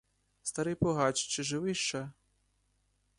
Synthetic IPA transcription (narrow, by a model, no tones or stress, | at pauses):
st̪ɐɾɪjpɔɦat͡ʃt͡ʃɪʒɪʋɪʃt͡ʃa